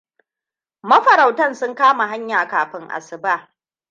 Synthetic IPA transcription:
mɐ˦ɸɐ˨ɾa˨wtɐ˦˨nsʊ˦ŋkaː˦ma˨ɦa˦ɲjaː˨kaː˨ɸɪ˦ŋʔa̰˨sɪ˨ba˦˨

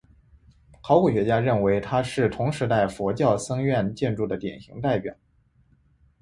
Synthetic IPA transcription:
xɑ˧˥ʊku˨˩ɕɥɛ˧˥t͡ɕja˥ɻə˥˩nwe˧˥ɪt̪ʰa˥ʂɻ̩˥˩t̪ʰʊ˧˥ŋʂɻ̩˧˥t̪a˥˩ɪfwɔ˧˥t͡ɕjɑ˥˩ʊsɤ˥ŋɥɛ˥˧nt͡ɕjɛ˥˧nʈ͡ʂu˥˩d̪ə˩t̪jɛ̰˨˩nɕi˧˥ŋt̪a˥˩ɪpjɑ̰˨˩˦

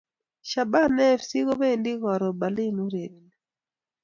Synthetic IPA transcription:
ʃa˨ba˦nɛ˦fsi˦ko˦be˦˨ndi˦kɔ˨ɾɔ˨ba˨li˦nu˦ɾe˨d

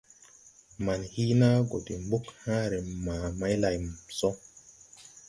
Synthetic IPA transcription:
ma˨nhi˦na˦ɡo˨de˨mbu˦khãː˦ɾe˨mãː˨ma˦jla˨jsɔ˦

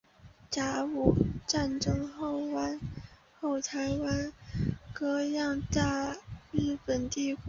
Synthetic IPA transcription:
ʈ͡ʂa˧˥u˨˩ʈ͡ʂa˥˩nʈ͡ʂɤ˥ŋxo˥˩ʊwa˥n | xo˥˩ʊt̪ʰa˧˥ɪwa˥nkɤ˥jɑ˥˧ŋt̪a˥˧ɻɻ̩˥˩pə˨˩nt̪i˥˧ku˨˩

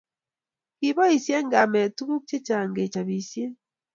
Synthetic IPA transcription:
kiβa˦hi˨sje˦ŋɡa˨me˨tu˦βu˦kce˦t͡ʃa˨ŋɡe˨t͡ʃa˨βi˨sje˦

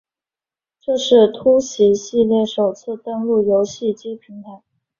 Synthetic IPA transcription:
ʈ͡ʂɤ˥˧ʂɻ̩˥˩t̪ʰu˥ɕi˧˥ɕi˥˧ljɛ˥˩ʂo˨˩ʊt͡sʰɹ̩˥˩t̪ə˥nlu˥˩jo˧˥ʊɕi˥˩t͡ɕi˥pʰi˧˥ŋt̪a˧˩

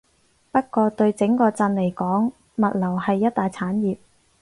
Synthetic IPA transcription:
pɐ˥t̚kɔː˧t̪ɵ˧ɥt͡sɪ˨˥ŋkɔː˧t͡sɐ˧nle˨˩jkɔː˨˥ŋ | mɐ˨t̚lɐ˨˩whɐ˨jːɐ˥t̚t̪aː˨jt͡sʰaː˨˥njiː˨p̚

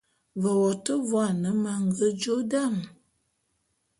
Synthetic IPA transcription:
və˨wɔ˨tə˦vwa˨nə˨˦ma˨ŋ˦ɡə˦d͡ʒo˦da˦˨m

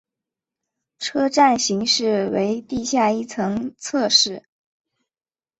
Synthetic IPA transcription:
ʈ͡ʂʰɤ˥ʈ͡ʂa˥˩nɕi˧˥ŋʂɻ̩˥˩we˧˥ɪt̪i˥˧ɕja˥˧i˥˩t͡sʰɤ˧˥ŋt͡sʰɤ˥˧ʂɻ̩˥˩

